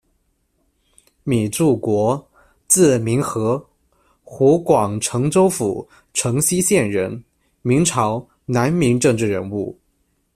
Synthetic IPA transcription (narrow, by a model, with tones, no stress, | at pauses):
mi˨˩ʈ͡ʂu˥˩kwɔ˧˥ | t͡sɹ̩˥˩mi˧˥ŋxɤ˧˥ | xu˧˥kwɑ˨˩ŋʈ͡ʂʰɤ˧˥ŋt͡so˥ʊfu˨˩˦ | ʈ͡ʂʰɤ˧˥ŋɕi˥ɕjɛ˥˩nɻə˧˥n | mi˧˥ŋʈ͡ʂʰɑ˧˥ʊ | na˧˥nmi˧˥ŋʈ͡ʂɤ˥˧ŋʈ͡ʂɻ̩˥˩ɻə˧˥nu˥˩